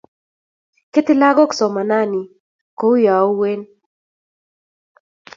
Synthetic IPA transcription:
kɪ˦t̪ɪ˦la˦ɡɔ˦ksɔ˨ma˨na˦ni˨ | ko˦u˦ja˨o˦we˦n

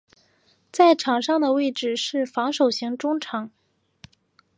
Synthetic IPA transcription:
t͡sa˥˩ɪʈ͡ʂʰɑ˨˩ŋʂɑ˥˩ŋd̪ə˩we˥˧ɪʈ͡ʂɻ̩˥˩ʂɻ̩˥˩fɑ˧˥ŋʂo˨˩ʊɕi˧˥ŋʈ͡ʂʊ˥ŋʈ͡ʂʰɑ˨˥˦ŋ

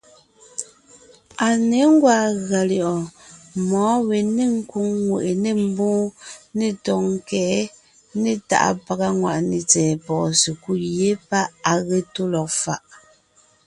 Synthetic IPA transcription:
a˨ne˨˦ŋ̩˦ɡwa˦˨ɣa˨ljɔ˨ʔɔ˨mɔː˨˦we˨ne˦˨ŋ̩˦ku˦ŋːwe˨ʔe˨ne˦m̩˦bɔ̃ː˦ne˦tɔ˨ŋ˦˨kɛ˨˦ | ne˦˨ta̰˨ʔa̰˨pa˨ɣa˦ŋwa̰˨ʔne˨t͡sɛː˨pɔː˨se˨ku˦˨je˦pa˦a˨ɣe˦to˦lɔ˨k̚fa̰˨ʔ

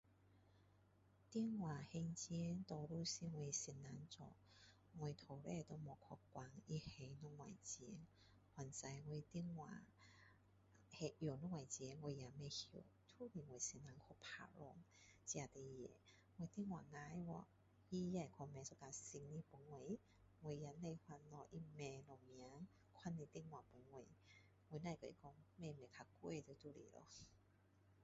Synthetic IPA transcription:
t̪i˧˥ŋwa˨˩he˧ŋt͡ɕjɛ˧˦nt̪ɔ˧lu˧˦si˧ŋŋwe˧˩si˧nna˨˧˦ŋt͡sɔ̰˧˨ | ŋwe˧˨t̪ʰo˨˩lɛ˧˨t̪o˧mɔ˨˩kʰɔ˧kːwa˧˩ŋi˧he˧jnɔ˧˥ŋwa̰˨jt͡ɕɛ˧˦n | hwa˨˩nt͡sa˧jŋwe˧t̪i˧ŋwa̰˨ | he˧jo˨˩nu˧˦ŋwa˨jt͡ɕjɛ˧˦ŋŋwe˧ja˨me˧hjo˨˩ | t̪ʰu˦li˨˩ŋwe˨˩si˧na˧˦ŋkʰɔ˧pʰa̰˧˩lɔ˧ŋt͡ɕi˧a˨˧˩t̪e˧jjḛ˨˧˨ | ŋwe˧˨t̪i˧˨ŋwa˨ŋa˧˦jwɔ˧˨ | ji˧ja˧˨kʰɔ˧˨mɛ˨˧˨sɔ˧˨ka˧˨si˧ŋni˧po˨˦ŋːwe˧˦ | ŋwe˧jja˧˦nːa˧jhwa˧nlɔ˧ʔi˧mɛ˧lɔ˧mi˧˨a˨˦ŋ | kʰwa˧˨nːi˧t̪i˧˨ŋwa˨po˨˦ŋːwe˧˨ | ŋwe˧˨˦na˧˨jkɔ˧˨ḭ˧˨kɔ˧ŋmɛ˧˨me˨kʰa˧kwe˧˨t̪e˧˦t̪ʰu˧˨lḭ˨lɔ̰˧˦

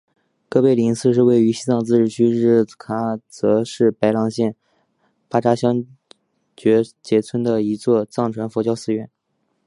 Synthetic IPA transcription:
kɤ˥pe˥˩ɪli˧˥ŋsʰɹ̩˥˧ʂ̬ɻ̩˥˧we˥˩ɪy˧˥ɕi˥t͡sɑ˥˧ŋt͡sɹ̩˥˧ʈ͡ʂɻ̩˥˩t͡ɕʰy˥ɻɻ̩˥˩kʰa˧˥t͡sɤ˧˥ʂɻ̩˥˩pa˧˥ɪlɑ˧˥ŋɕjɛ˥˩n | pa˥ʈ͡ʂa˥ɕjɑ˥ŋ | t͡ɕɥɛ˧˥t͡ɕjɛ˧˥t͡sʰwə˥nd̪ə˨i˧˥t͡swɔ˥˧t͡sɑ˥˩ŋʈ͡ʂʰwa˧˥nfɔ˧˥t͡ɕjɑ˥ʊsɹ̩˥˧ɥɛ˥˩n

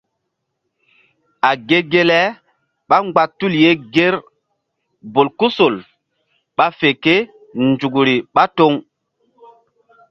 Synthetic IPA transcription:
a˨ɡe˦ɡe˦lɛ˦ | ɓa˦ŋ͡mɡ͡ba˨tːu˦lje˦ɡe˦ɾ | bo˨lku˦so˨l | ɓa˦fe˨ke˦ | nd͡ʒu˨ɡɾi˨ɓa˦to˦ŋ

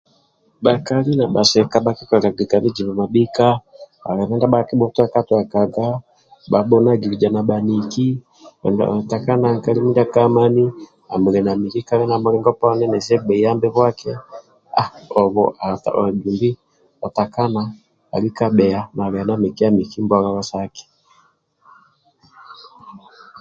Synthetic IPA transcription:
ba˨ka˨li˦na˨ɓa˨sɛ˨ka˦ɓa˨ki˦ka˨ka˨ɡi˨ka˨βi˦d͡ʒi˨βa˨ma˨ɓi˦ka˦ba̰˨ɣɛ˨nɛ˦nda˦ba˨ki˦bɔ˦twa˦ka˦twa˨ka˨ɡa˦ | ɓa˨ɓɔ˦na˦ɡi˨ɾi˨d͡ʒa˨na˨ɓa˨ni˨ki˦ | ɛ̰˨nda̰˨ta˨ka˦na˨ŋka˦li˦mi˦nda˦ka˦ma˦ni˦ | a˨mu˨ɾɛ˨na˨mi˨ki˦ka˦lɛ˦na˨mɔ˦ɾɛ˦ŋɡɔ˦pa˦nɛ˦nɛ˨sɛ˦ɡ͡bɛ˨i˨ja˦mbɛ˦βwa˦kʰɛ˦ | a̰˨ɔ˨βɔ˨ʔa˨ta̰˨ɡu˨mbi˦ | ɔ˨ta˨ka˦na | a˨li˦ka˦ɓɛ˨a˨na˨ɣɛ˨na˦mi˨ki˦a˦mi˨ki˦mbɔ˦ɣa˦βa˦sa˦kɛ̥˨

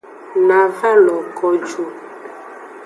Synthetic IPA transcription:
na˨ɣa˦lɔ˨kɔ˨d͡ʒu˨

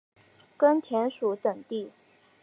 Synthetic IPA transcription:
kə˥nt̪ʰjɛ˧˥nʂu˧˥˦t̪ə˨˩ŋt̪i˥˩

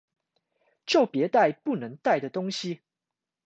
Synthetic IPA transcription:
t͡ɕjo˥˨ʊpjɛ˧˦t̪a˥˧ɪpu˥˩nɤ˧˦ŋt̪a˥˩ɪd̪ə˩t̪ʊ˥ŋɕi˨

